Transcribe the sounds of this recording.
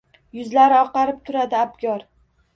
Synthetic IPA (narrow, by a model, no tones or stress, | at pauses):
jʊzlaɾɪɒqɑɾɪp̚t̪ʰʊɾad̪ɪabɡʲɒɾ